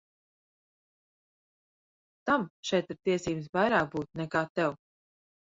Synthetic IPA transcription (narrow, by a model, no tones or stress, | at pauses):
t̪amt͡ʃɛt̪ɾt̪iɛsiːms̬vajɾaːk̚buːt̪̚nɛkaːt̪ɛw